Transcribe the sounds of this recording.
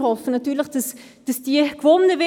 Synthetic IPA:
hɔfənɑtyːlɪχd̥ɑsd̥ɑsd̥iəkv̥ɔnːəvɛ

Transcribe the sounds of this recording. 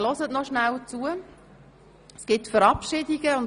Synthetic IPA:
lɔzətnɔʃnælt͡suə | sɡ̥ɪtfəɾɑpʃɪdiɡ̥əʊn

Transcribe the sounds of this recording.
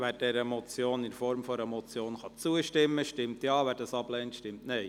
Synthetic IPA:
ʋæːɾd̥ɛɾəmɔt͡sjoːnɪnfɔɾmfɔɾəmɔt͡sjoːnχɑt͡suəʃtɪmːəʃtɪmtjɑːʋæːɾdɑsɑb̥lɛːntʃtɪmtnɛɪ

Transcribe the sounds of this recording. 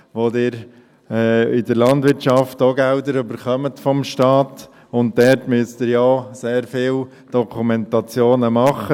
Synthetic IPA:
ʋodɪːɾ | ɛɪdəɾlɑndʋɪɾtt͡ʃɑftoɡældəɾybəɾχœmətfɔmʃtɑːt | ʊnt̚dɛɾtmyəst̪ɪɾjɔseːɾfɪːl | d̥ɔkʰumɛntɑt͡sjoːnəmɑχːə

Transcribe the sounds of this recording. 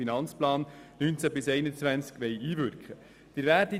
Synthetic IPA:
inɑnt͡splɑːnnynt͡sæbɪsɛɪnət͡svænt͡skʋɛjiːvʏɾkχə | d̥ɪɾvæːɾdi

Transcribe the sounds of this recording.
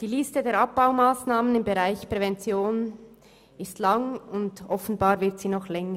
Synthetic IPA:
d̥iːliːstədeːɐɾap̚b̥aʊmaːsnaːmənɪmbeʁaɪçpʁ̥ɛvɛnt͡sjoːn | ɪstlaŋʊndʔɔfn̩baːɾvɪɾtz̥iːnɔχlɛŋə

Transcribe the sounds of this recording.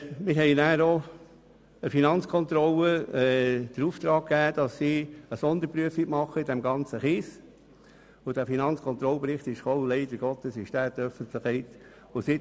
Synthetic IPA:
mɪɾɦɛɪnæːɾo | əfinɑnt͡skʰɔnt̪ɾɔlːəɛd̪̥əɾuːft̪ɾɑːk̚kːæːd̪̥ɑsːiːəsɔnd̪əɾpɾyəfimɑχːəid̥ɛmɡɑnt͡səχɪːs | ʊd̥æfinɑnt͡skʰɔnt̪ɾɔlpɾɪχt̪ɪʃχɔllɛɪdəɾɡ̥ɔt̪əsɪʃtæːt̪œfənt̪ləχɛɪt̪ | ʊsɪ

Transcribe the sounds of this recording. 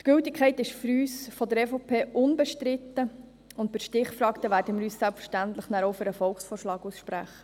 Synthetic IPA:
t̪ɡ̥ɵltɪkʰɛɪtɪʃfyɾyːsfɔd̪əɾɛfopʰeːʔʊnbɛʃtɾɪt̪ːə | ʊnt̚bɪʃtɪχfɾɑːkt̪əʋæːɾdəmɪːɾyːssælpfə̥ʃtænt̪ləχnæːɾoʊfəɾəfɔlksfɔːɾʃlɑːɡusʃpɾæχə̥

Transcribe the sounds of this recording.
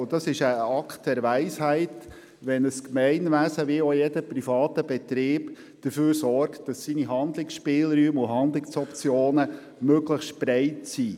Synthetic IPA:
ʊd̥ɑsɪʃəɑkt̚d̥ɛɾʋæɪshæɪt | ʋɛnəskmɛɪnʋæsəʋiojɛdəprifɑːtəb̥ɛtɾɪːb | d̥əføːɾsɔɾktd̥ɑsːiniɦɑnd̪lɪksʃpɪːlɾyːmʊɦɑnd̪lɪksɔpt͡sjoːnə | møɡləxstpɾæɪtsiː

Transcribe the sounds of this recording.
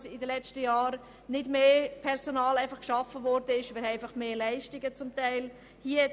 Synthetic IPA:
sɪdəlɛt͡stəjɑːɾ | nɪdmeːpʰɛɾsonɑːlæɪfɑχkʃɑfəvɔɾdəɪʃʋɛlæɪfɑχmeːlæɪʃtɪɡət͡sʊmtaɪl | hiːə

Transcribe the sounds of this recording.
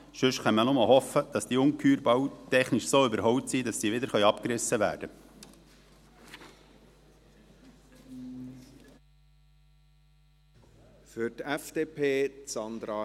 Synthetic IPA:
ʃʏʃχɛnːənʊməɦɔfəd̥ɑsd̥iːʊŋkʰyːɾbɑwtɛχnɪʃsoːybəɾɦɔwtsidɑsːiːʋɪdəɾχœʏɑpkɾɪsːəʋæ̰ːɾd̥ə | fʏtɛfd̥eːpʰeːsɑnd̪ɾɑ

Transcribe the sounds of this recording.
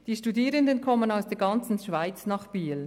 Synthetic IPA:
d̥iːʃtudiːɾəndənkʰɔmənaʊsd̥eːɡɑnt͡sn̩ʃv̥aɪt͡snɑːχb̥iːl

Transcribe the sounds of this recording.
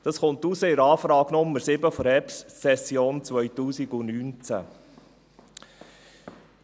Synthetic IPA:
d̥ɑsχʊntusəɪɾɑːfɾɑːɡ̥nʊmːəɾsɪbəfɔɾɛpsːɛsjoːnt͡sʋœjtuːsiɡʊnyːnt͡sæ̰

